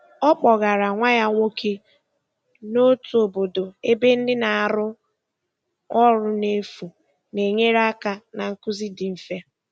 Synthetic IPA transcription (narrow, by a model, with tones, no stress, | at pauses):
ɔ˦k͡pɔ˨ɣa˨ɾa˨ŋʷa˦ja˦ŋʷo˦kʰe˦ | no˦tu˨o˨bo˨do˨e˦be˦n̩˦dɪ˦na˨a˨ɾʊ˦ | ɔ˦ɾʊ˦ne˦fu˨ | ne˨ɲe˦ɾa˦ka˨na˨ŋ̩˦ku˦zi˦dɪ˨m̩˨fe˦